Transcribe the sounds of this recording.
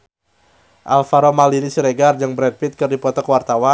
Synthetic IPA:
ʔa̰lfaɾomalinisiɾeɡard͡ʒɨŋbɾɛd̚pit̪̚kɨrdipɔt̪ɔkwart̪awa

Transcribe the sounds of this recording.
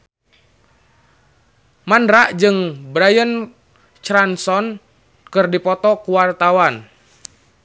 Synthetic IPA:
mandɾaʔd͡ʒɨŋbɾajən | t͡ʃɾansɔn | kɨrdipɔt̪ɔkuwart̪awan

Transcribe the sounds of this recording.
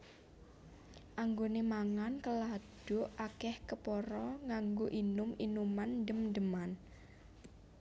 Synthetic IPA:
ʔaŋɡonemaŋankəlad̥oʔakɛhkəpɔɾɔŋaŋɡoʔinʊminumandəmdəman

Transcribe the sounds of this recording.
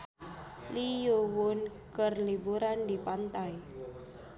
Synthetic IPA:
lijuwʊnkərlibuɾandipant̪aj

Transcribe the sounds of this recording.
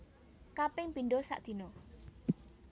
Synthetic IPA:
kapɪŋpinɖɔsa̰ʔd̪̥i̤nɔ

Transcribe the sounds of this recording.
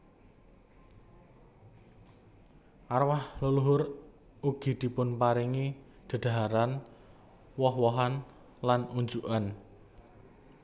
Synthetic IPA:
ʔarwahloluɦʊr | uɡ̥i̤d̪̥i̤pʊnpaɾiŋi | d̪̥ə̤d̪̥a̤ɦaɾan | wɔhwɔɦan | lanuɲd͡ʒuʔan

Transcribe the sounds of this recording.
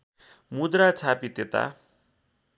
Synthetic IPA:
mud̪ɾat͡sʰapit̪et̪a̰

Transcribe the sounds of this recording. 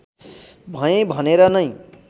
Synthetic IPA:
bʱʌjẽbʱʌneɾʌnʌj

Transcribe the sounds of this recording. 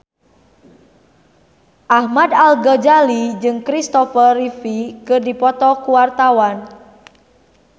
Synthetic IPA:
ʔahmad̪alɡɔd͡ʒalid͡ʒɨŋkɾist̪ɔfərrifikɨrdipɔt̪ɔkuwart̪awan

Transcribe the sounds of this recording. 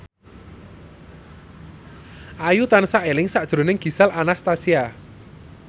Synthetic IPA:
ʔajut̪ansaʔelɪŋsaʔd̥ʒ̥ɾo̤nɪŋɡ̥i̤salanast̪asia

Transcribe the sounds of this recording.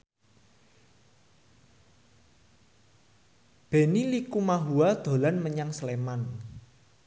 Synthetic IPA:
b̥e̤nilikumaɦuad̪̥o̤lanməɲaŋsleman

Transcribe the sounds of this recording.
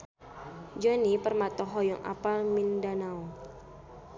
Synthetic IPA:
d͡ʒɔnipərmat̪ɔɦɔjɔŋʔa̰palmindanaw

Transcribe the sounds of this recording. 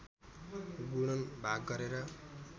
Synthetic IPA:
ɡuɽ̃ʌnbʱaɡːʌɾeɾʌ

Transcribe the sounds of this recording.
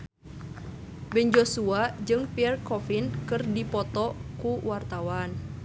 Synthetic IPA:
bɛnd͡ʒosuad͡ʒɨŋpiɛrkɔfinkɨrdipɔt̪ɔkuwart̪awan

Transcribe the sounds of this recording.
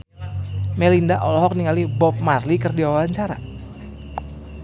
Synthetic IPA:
mɛlindaʔɔlɔɦɔk̚niŋalibɔp̚marlikərdiwawawaɲt͡ʃaɾa̰

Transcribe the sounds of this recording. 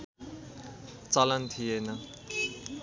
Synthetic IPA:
t͡sʌlʌnt̪ʰijenʌ

